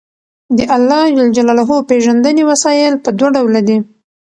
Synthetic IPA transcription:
d̪əʔalːɑd͡ʒald͡ʒalɑlaɦopeʒand̪ənewasɑjɪlpəd̪waɖawlad̪i

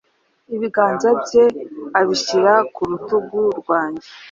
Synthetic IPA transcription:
iβiɡaːnzabje̞aβiɕiɾakuɾutuɡuɾɡwaːɲɟe

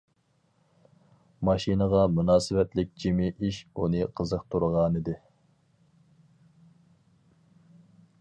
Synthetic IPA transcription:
mɑʃinəʁɑmunɑːsɨvɛt̪lɪk̚ʲd͡ʒimiʔiʃunɨqʰəzəqt̪ʰuɾʁɑnɨd̪ɨ

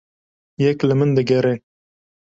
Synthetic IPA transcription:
jɛklɨmɨnd̪ɨɡɛɾe

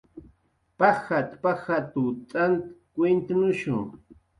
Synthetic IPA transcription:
paxat̪paxat̪ʊt̪ʼant̪ḁkwent̪anʊʃʊ̰ŋ

